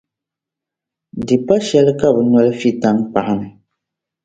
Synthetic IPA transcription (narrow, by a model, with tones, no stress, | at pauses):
dɨ˨pa˦ʃɛ˦lɨ˦ka˦bɨ˨na˦lɨ˦fi˦ta˦ŋpa˨ʔa˦nɨ˨